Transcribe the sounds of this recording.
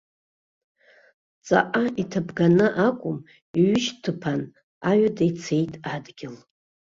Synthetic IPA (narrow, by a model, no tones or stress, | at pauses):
t͡sʼa̰ʔʼaitʰabɡanɨʔakʷʼʊm | iɥʏʃtʰɨpʰan | aɥadajt͡sʰe̞jtʼadɡʲɪl